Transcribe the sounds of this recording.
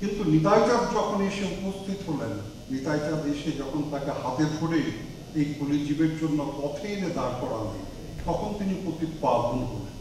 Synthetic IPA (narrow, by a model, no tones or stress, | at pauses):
kint̪unit̪ajt͡ɕad̪d͡ʑɔkʰoneʃeupost̪ʰit̪ɦolenː | it̪ajt͡ɕad̪eʃed͡ʑɔkʰont̪akehat̪ed̪ʱoɽe | ejkulid͡ʑibeɾd͡ʑonːopɔt̪ʰeened̪aɾkɔɾana̰j | t̪ɔkʰont̪inipɾot̪ipabʱonɦoɾe